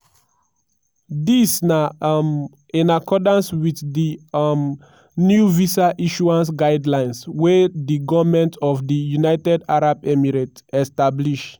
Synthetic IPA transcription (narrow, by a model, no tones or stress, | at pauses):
disnam | ĩnakɔdãnswiθdim | njuvisaʔiʃuãns̬ɡaɪdlãɪ̃nswɛdiɡɔvmɛ̃ntʰɔfdijunaɪtɛdaɹabɛmiɹatɛstabliʃ